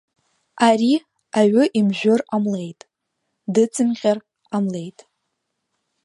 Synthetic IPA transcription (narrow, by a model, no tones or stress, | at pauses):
ari | aɥʏʔimʒᶣʊramlejtʼ | dɨt͡sʰʼɨmʁʲar | amle̞jtʼ